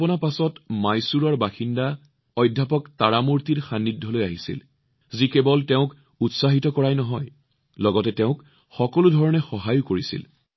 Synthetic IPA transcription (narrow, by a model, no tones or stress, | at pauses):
pɔnapasɔtmajsuɹɔɹbaxinda | ɔjdʱːapɔktaɹamuɹtiɹxanːidʱɔlojaɦisḭl | zikebɔltɛʊ̃k | utsaɦitɔkɔɹajnɔɦɔj | lɔɡɔtɛtɛʊ̃k | xɔkɔludʱɔɹɔnɛxɔɦajʊkoɹisḭl